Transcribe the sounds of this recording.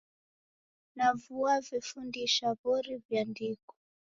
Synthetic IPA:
navuavifundiʃaβɔɾivjandikɔ̥

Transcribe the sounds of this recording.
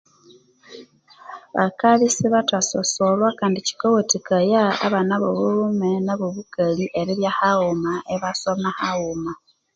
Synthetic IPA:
βa̰kaβisiβatasosolwakaːndici̥kowotikaja̰ːβanaβoβumenaβoβukaliʔeɾiɾjahawumaeβasomahauma

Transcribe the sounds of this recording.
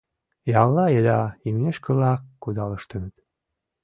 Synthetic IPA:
jɑlːɑelɑimnʲeʃkə̆lɑkːud̪ɑləʃt̪ə̆nət̪

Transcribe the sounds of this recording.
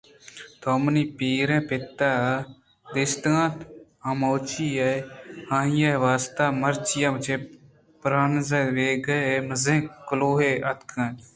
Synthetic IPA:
t̪ʰoːməniːpiːɾɛ̃ːpɪt̪ːaː | d̪ɪst̪ãːt̪ | ãmoːt͡ʃiːɐhãːɦijaʋaːst̪aːməɾt͡ʃɪjãːmət͡ʃeː | pɾaːnzeːʋeːɡəməzẽːkʊloːɦeːʔɐt̪kʰə̃ː

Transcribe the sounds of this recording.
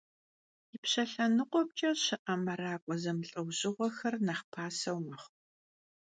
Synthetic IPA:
ipɕɐɬɐnɨqʷɔp̚t͡ʃʼɐɕɨʔɐmɐɾaːkʷʼɔzɐmɬʼɨwʑɪʁʷɔxɐrnɐχpʰaːsɐwmɨχʷ

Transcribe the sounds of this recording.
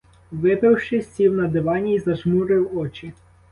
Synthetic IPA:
ʋɪpɪwʃɪsʲiwnɐd̪ɪʋɑnʲiizɐʒmuɾɪwɔt͡ʃɪ

